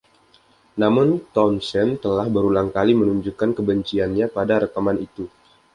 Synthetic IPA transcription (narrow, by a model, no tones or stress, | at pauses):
namʊnt̪ɔnsɛnt̪əlahbəɾulaŋkalimənuɲd͡ʒukankəbəɲt͡ʃianɲapadaɾəkamanit̪u